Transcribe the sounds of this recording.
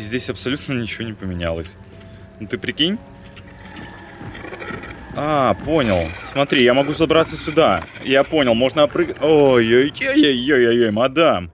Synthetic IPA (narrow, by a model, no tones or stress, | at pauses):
zʲdʲesʲɐpsɐlʲut̪nənʲɪt͡ɕɪvo̞nʲɪpəmʲɪnʲa̰lˠəsʲ | nt̪ɨpɾʲɪkʲinʲ | apo̞nʲɪlˠsmɐt̪ɾʲijamɐɡuzɐbɾat̪səsʲʊd̪ajapo̞nʲɪlˠmo̞ʐnəpɾɨojojojojːojojojmɐd̪a